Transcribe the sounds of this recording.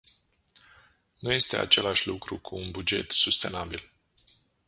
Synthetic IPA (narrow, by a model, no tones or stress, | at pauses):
nuje̞st̪e̞a̰t͡ʃe̞laʃʲlukɾukʰuːnbud͡ʒe̞̰t̪sust̪e̞nabil